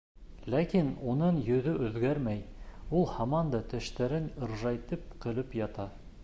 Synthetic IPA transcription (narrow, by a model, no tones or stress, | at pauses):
lækinunɤɴjɵ̆ðɵʔɵ̆ðɡæɾmæjulˠhɑmɑnd̪ɑt̪ɵ̆ʃt̪æɾɘnɤ̆ɾʒɑjt̪ɤp̚qɤ̆lɵpjɑt̪ɑ